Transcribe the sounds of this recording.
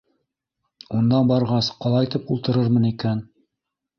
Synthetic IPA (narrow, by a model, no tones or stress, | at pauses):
und̪ɑbɑɾʁɑsqɑlˠɑjt̪ɘpulˠt̪ɤ̆ɾɤɾmɤnikæn